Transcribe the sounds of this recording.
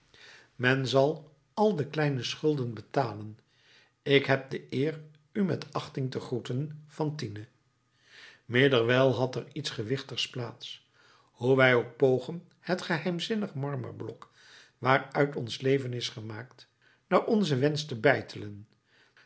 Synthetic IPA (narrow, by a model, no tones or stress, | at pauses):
mɛnzɑlˠ | ɑlˠdəklɛjnəsχɵlˠdənbətaːlən | ɪkɦɛp̚dəʔɪːr | ymɛ̰tɑχtɪŋtəχrutənv̥ɑntinə | mɪːdəɹʋɛlˠɦɑtɛritsχəʋɪχtəχsplaːts | huʋɛjok̚powχən | hətχəɦɛjmzɪnəχmɑɹmə̰ɹblɔk | ʋaːɹœɥtɔnslejvənɪsχəmaːkt | naːɹʔɔnzəʋɛnstəbɛjtʰələn